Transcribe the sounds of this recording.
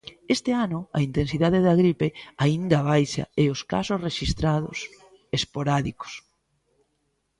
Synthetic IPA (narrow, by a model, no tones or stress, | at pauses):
est̪ɪanʊɐ̰int̪ensiðaðeðɐɣɾipeaind̪ɐβajʃa̰ɛʊska̰sʊsreʃist̪ɾaðʊ̰s | espoɾaðiko̥s